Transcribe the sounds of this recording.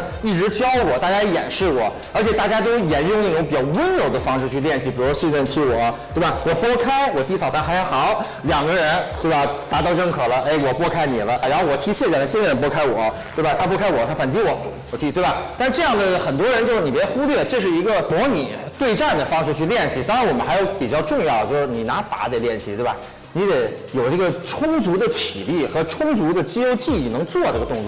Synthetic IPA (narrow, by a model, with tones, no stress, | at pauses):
i˥˩ʈ͡ʂɻ̩˧˥t͡ɕjɑ˥ʊwɔ˨˩˦t̪a˥˩t͡ɕja˥˧˥jɛ̰˨˩nʂɻ̩˥˩wɔ˨˩˦ | ə˞˧˥t͡ɕʰjɛ˨˩t̪a˥˩t͡ɕja˥t̪̬o˥ʊjɛ˨˩˥njʊ˥˧ŋna˥˩ʈ͡ʂʊ˧˥ŋpi˨˩t͡ɕjʊwə˥njo˨˩ʊd̪ə˦fɑ˥ŋʂɻ̩˥˧t͡ɕʰy˥˧ljɛ˥˧nt͡ɕʰi˧˩i˨˩u˥ɕɛ˥˧nɻə˥˧nt̪ʰi˧˥wɔ˨˩˦t̪we˥˩ba˩wɔ˨˩pwɔ˥kʰa˥ɪwɔ˨˩t̪i˧˥sʰɑ˨˩ʊt̪ʰa˥˩nxa˧˥xɑ˨˩˦ʊ | ljɑ˨˩ŋɡə˦˧ɻə˧˥nt̪we˥˩ɪba˩t̪a˧˥t̪ɑ˥˧ʊʈ͡ʂə˥˩ŋkʰɤ˨˩lə˦ʔe˧˥˩ɪwɔ˨˩pwɔ˥kʰa˥ɪni˨˩lə˦˧˩ɻa˧˥nxo˥˧wɔ˨˩t̪ʰi˧˥ɕjɛ˥˩t͡ɕa˨˩t̪a˥ɕi˥nə˨ɻə˧˥npwɔ˥kʰa˥ɪwɔ˨˩˦t̪we˥˩ba˨˩t̪ʰa˥pwɔ˥kʰa˥ɪwɔ˨˩t̪ʰa˥fa˨˩nt͡ɕi˥wɔ˨˩˦wɔ˨˩t̪ʰi˧˥˩t̪we˥˩bɐ˨˩t̪nʈ͡ʂɤ˥˧jɑ˥˩ŋd̪ə˩xə˨˩nt̪wɔ˥ɻə˧˥nt͡ɕjʊʂɻ̩˥˩ni˨˩pjɛ˧˥xu˥lɥɛ˥˩ʈ͡ʂɤ˥˧ʂ̬ɻ̩˥˩i˧˥ɡə˧mwɔ˧˥ni˨˩˦t̪we˥˧ɪʈ͡ʂa˥˩nd̪ə˩fɑ˥ŋʂɻ̩˥˧t͡ɕʰy˥˧ljɛ˥˧nɕi˥˩t̪ɑ˥ŋɻwɔ˨˩mə˦nxa˧˥jo˧˥ʊpi˨˩t͡ɕjɑ˥˧ʊʈ͡ʂʊ˥˧ŋjɑ˥˩ʊd̪ə˩t͡ɕjo˥˧ʂɻ̩˥˧ni˨˩na˧˥p̪a̰˧˥t͡sa˧˩ɪljɛ˥˩nɕi˧t̪we˥˩bɐ̰˩ | ni˧˥j̪ɛ˨˩˥jo˨˩ʊʈ͡ʂɤ˥˩ɡə˩ʈ͡ʂʰʊ˥ŋt͡su˧˥d̪ə˧˨t͡ɕʰḭ˨˩li˥˩xɤ˧˥ʈ͡ʂʰʊ˥ŋt͡su˧˥d̪ə˨t͡ɕi˥jo˥ʊt͡ɕi˥˩i˨˩nɤ˧˥ŋt͡swɔ˥˧ʈ͡ʂɤ˥˩ɡə˩t̪ʊ˥˧ŋt͡swɔ˥˩